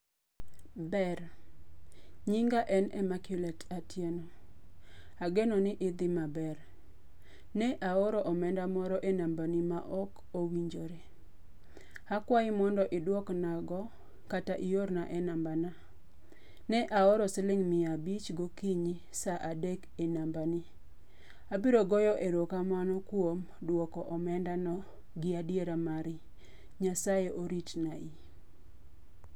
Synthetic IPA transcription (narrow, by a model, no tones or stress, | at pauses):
bɛɾ | ɲiŋɡaʔɛnɛmakjʊlɛtatjeno | aɡenonɪʔɪd̪ɪmabɛɾ | nɛʔaɔɾɔʔɔmɛndamɔɾɔʔenambanɪmaʔɔk | owiɲd͡ʒoɾe | hakwaɪmɔndɔʔɪdwɔknaɡɔ | kataʔijoɾnaʔɛnambana | nɛʔaɔɾɔsɪlɪŋmɪabit͡ʃɡɔkiɲi | saʔadekenambanɪ | abiɾoɡɔjɔʔeɾokamanɔkwom | dwɔkɔʔɔmɛndanɔ | ɡɪadjeɾamaɾɪ | ɲasajeʔoɾitnai